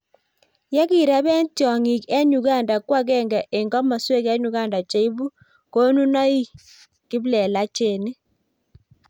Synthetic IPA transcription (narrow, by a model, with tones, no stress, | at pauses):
ja˦ki˦˨ɾa˦bɛ˦ntjɔ˨ŋi˨kɛ˦ɲu˨ɡa˦˨nda˨kwa˦kɛ˦˨ŋɡɛ˨ʔe˨ŋɡɔ˦ma˨swe˦kɛ˦ɲu˨˦ɡa˦˨nda˨t͡ʃe˨˦i˦bu˦ | ko˦nu˦na˦i˦ | kɪ˦blɛ˨la˦t͡ʃe˦˨ne˦